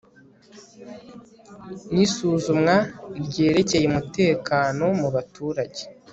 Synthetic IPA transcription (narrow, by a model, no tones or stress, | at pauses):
nisuːzumŋaɾɟe̞ːɾe̞ce̞jemute̞ːkaːno̞muβatuːɾaɟe